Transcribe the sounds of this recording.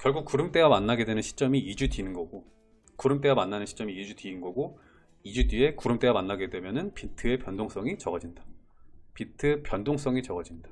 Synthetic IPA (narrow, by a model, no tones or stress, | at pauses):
kjʌɭɡuk̚k͈uɾɯmt͈e̞ɡamanːaɡe̞dwenɯnɕʰi̥t͡ɕ͈ʌmiid͡ʑudinɯnɡʌɡo | kuɾɯmt͈e̞ɡamanːanɯnɕʰi̥t͡ɕ͈ʌmiːd͡ʑudɥiːnɡʌɡo | id͡ʑudɥie̞kuɾɯmt͈e̞ɡamanːaɡe̞dwe̞mjʌnɯnpitʰɯe̞pjʌndoŋs͈ʌŋit͡ɕʌɡʌd͡ʑinda | pitʰɯpjʌndoŋs͈ʌŋit͡ɕʌɡʌd͡ʑindḁ